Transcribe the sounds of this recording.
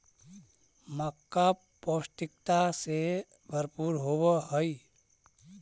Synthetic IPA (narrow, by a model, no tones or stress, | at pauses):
məkːa | poːsʈ̪ɪk̚t̪ase | bʱəɾpuːɾɦowəɦəi